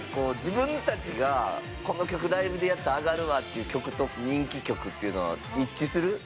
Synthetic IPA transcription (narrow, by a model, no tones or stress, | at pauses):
ko̞ːd͡ʑibɯ̟̃nt̪at͡ɕiɡa | ko̞no̞kʲo̞kɯ̟d̪aibɯ̟d̪e̞jat̪ːaːɡaɾɯ̟βat̪ːe̞jiɯ̟ːkʲo̞kɯ̟t̪o̞koɲ̟ĩŋkʲikʲo̞kɯ̟t̪ːeiɯ̟no̞βa̰itt͡ɕisɨɾɯ